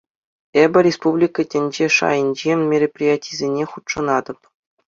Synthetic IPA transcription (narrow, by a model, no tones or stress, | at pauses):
ebʲɘ̆ɾʲespublʲikətʲɘ̆nʲd͡ʑeʂɑ̰jɤ̆nʲd͡ʑemʲmʲerʲepʲrʲijatʲizʲenʲeχut̪ʂɤ̆nɑd̪ɤ̆p